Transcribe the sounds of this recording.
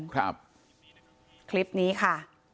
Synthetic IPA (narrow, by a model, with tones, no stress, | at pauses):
kʰɾa˦˧˩p̚ | kʰli˦˥p̚niː˦˥kʰa˥˩